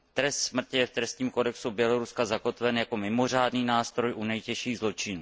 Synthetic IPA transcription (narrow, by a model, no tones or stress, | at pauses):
t̪ɾɛst̪smr̩cɪjɛft̪ɾɛst̪ɲiːmko̞dɛksubjɛlo̞ɾuskazako̞t̪vɛnjako̞mɪmo̞r̝aːdniːnaːst̪ɾo̞jʔunɛjcɛʃiːɣzlo̞t͡ʃɪnuː